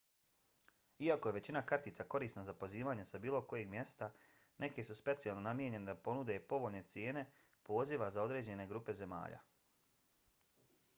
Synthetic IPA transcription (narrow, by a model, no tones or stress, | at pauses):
iako̞jeʋe̞t͡ɕinakaɾt̪iːt̪sako̞ɾiːsnazapo̞ziːʋaːɲesabiːlˠo̞ko̞jeɡmje̞st̪a | nʔe̞ke̞suspe̞t̪sialˠnonamjeɲe̞ned̪apo̞nud̪e̞po̞ʋo̞ʎne̞t̪sje̞ːne̞ | po̞ːziʋazao̞d̪ɾe̞ːd͡ʑe̞ne̞ɡɾuːpe̞ze̞ma̰ːʎa̰